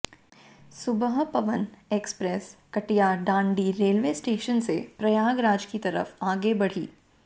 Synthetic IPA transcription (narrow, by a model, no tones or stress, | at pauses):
sʊbəɦpɐʋənekspɾeskɐʈijaɖãːɳɖiɾeːlʋeːsʈeːʃənsepɾɐjaːɡɾaːd͡ʒkit̪ɐɾə̰faːɡebɐɽ̤ḭː